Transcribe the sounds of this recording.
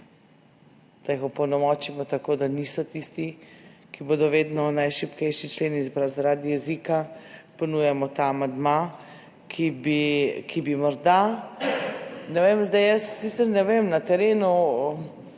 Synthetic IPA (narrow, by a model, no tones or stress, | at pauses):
d̪̥ajixɔpɔwnɔmɔt͡ʃimɔt̪akoːd̪anisɔt̪ist̪ikiboːd̪ɔʋeːd̪nɔnajʃipkɛjʃit͡ʃleːnizbɾawzaɾad̪ijɛzikapɔnujɛmɔt̪aːmand̪ma | kʰibikʰibimɔɾd̪a | nɛʋemzd̪ajjəsːit̪səɾnɛʋemnat̪ɛɾeːnu